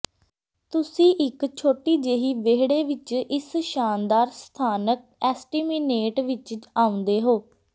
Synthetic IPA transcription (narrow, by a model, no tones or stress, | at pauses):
t̪ʊsĩːʔɪkt͡ʃʰoːʈiːd͡ʒeːɦiːʋeːɦɽeːʋɪt͡ʃʔɪsʃaːnd̪aːɾst̪ʰaːnək̚ | ɛːsʈiːmiːneːʈʋɪt͡ʃaːʊ̃nd̪eːɦoː